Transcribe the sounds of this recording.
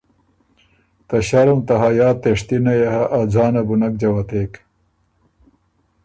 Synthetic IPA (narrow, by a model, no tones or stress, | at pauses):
t̪ɐɕɐɾumt̪ɐɦajaːt̪ːeʂt̪inɐjehɐʔːd͡zaːnɐbunɐk̚d͡ʑɐwɐt̪eːk